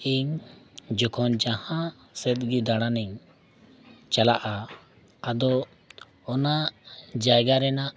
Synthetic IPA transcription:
iɲd͡ʒɔkʰɔnd͡ʒahã | sɛt̪̚ɡid̪aɽ̃aniɲ | t͡ʃalaʔaː | d̪ɔ | ɔnad͡ʒajɡaɾɛnaʔ

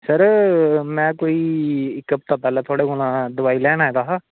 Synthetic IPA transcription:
səɾmɛ̃ːkoːiːɪkːəp̚t̪ãːpɛːlaːt̪ʰoaːɽeːɦoːnãːd̪ʊʋaːiːlɛːnaːɛːɡ̪aːɦaː

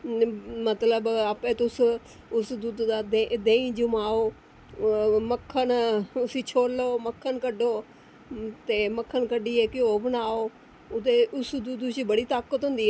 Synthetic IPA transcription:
mət̪ləbaːpẽːt̪ʊs | ʊsd̪uːd̪d̪aːd̪ed̪ẽĩːd͡ʒʊmaːoː | məkʰːənʊsiːt͡ʃʰoːloːməkʰːənkəɖoː | t̪eːməkʰːənkəɖiːeːkɪoːbənaːoː | ʊt̪eʊsd̪uːd̪siːbəɽiːt̪aːkət̪ɦʊ̃nd̪iːɦɛː

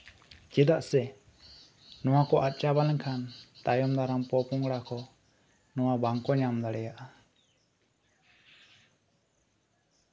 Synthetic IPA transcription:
t͡ʃɛd̪aʔsɛ | nɔwakɔʔat̪̚ˀt͡ʃabalɛŋkʰant̪ajɔmd̪aɾampɔpuŋɡɽakɔ | nɔwabaŋkɔɲamd̪aɽɛjaʔa

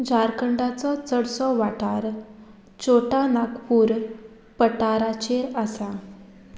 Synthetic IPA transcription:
d͡ʑaɾkəɳɖat͡sɔt͡səɽsɔʋaʈaɾ | t͡ɕoʈanakpuːɾ | pəʈaɾat͡ɕeɾasa

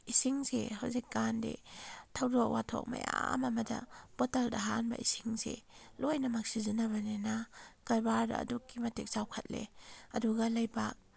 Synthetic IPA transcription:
isiŋsehawzik̚ːandḛtʰawdowatʰo̰k̚ma̰ja̰mɐmɐdɐ̰b̥otɐldɐɦanbɐ̰ʔisiŋsḛlojnɐmak̚sizinɐβɐnenakajbaɾda̰ːdukːimɐtik̚zawkʰɐt̚lḛɐduɡalɐjbak̚

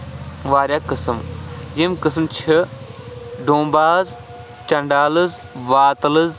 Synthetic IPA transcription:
ʋaːɾʲjaːkɨsɨmjimkɨs̬mt͡ʃʰi | ɖõːmbaːz | t͡ʃɐɳɖaːlɨz | ʋaːt̪lɨz

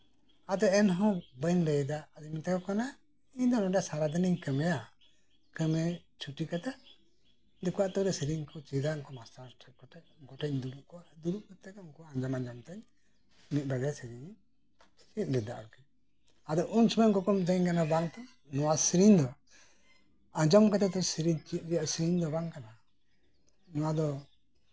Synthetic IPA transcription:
ad̪ɛɛnɦɔ̃bənɾɛjd̪aʔːd̪imɛt̪ɛkɔkana | iɲd̪ɔnɔɖjasaɾad̪ɛniɲkəmɛja | kəmɛt͡ʃʰuʈikat̪aʔ | d̪ɔkuaʔt̪ɔɾɛsiɾiŋkʰɔt͡ʃid̪aŋkɔmastaɾʈʰɛɡɔʈɛ | ɡɔʈɛɲd̪ubuʔkɔd̪uɾuʔkɔt̪ːɛkuŋkuaaɲd͡ʒamad͡ʒamt̪ɛɲ | mit̪̚baɡajsiɾiɲ | t͡ʃit̪̚ɾɛd̪a̰ʔa̰kɛ | ad̪ɔʔunsɔmɛʔɡɔkɔmt̪ɛɲkanabaŋt̪ana | nɔwasiɾiɲd̪ɔ | ad͡ʒɔmkɛt̪ɛt̪ɔsiɾiɲt͡ʃit̪̚ˀɾɛjaʔsɾiɲd̪ɔbaŋkana | nɔwad̪ɔ

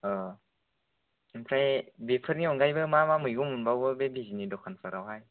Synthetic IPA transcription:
ɯ | ɯŋpʰɾajbepʰɯɾniɔŋɡajbɯmamamɯjɡumunbawbɯbebizinidɔkʰansaɾawɦaj

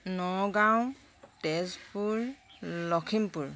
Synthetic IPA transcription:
nɔɡaw | tɛzpuɹlɔkʰimpuɹ

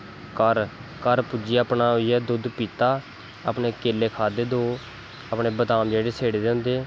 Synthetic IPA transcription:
kəɾkəɾpʊd͡ʒiːaːpnaːɦoiɛːd̪ʊd̪piːt̪aː | əpɳeːkeːleːkʰaːd̪eːd̪oː | əpɳeːbət̪aːmd͡ʒeːɽeːsʰeːɽeːd̪eːɦʊ̃nd̪eː

